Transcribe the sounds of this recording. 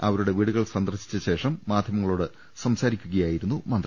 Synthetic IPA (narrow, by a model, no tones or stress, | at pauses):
ɐʋɐɾuɽe̞ʋiːɽuɣɐɭsɐnd̪ɐrɕi̥t͡ɕːɐɕe̞ːʂɐmːaːd̪ʱjɐmɐŋːɐɭoːɽɨ | sɐmsaːɾikʲːuɣɐjaːjiɾunːumɐnd̪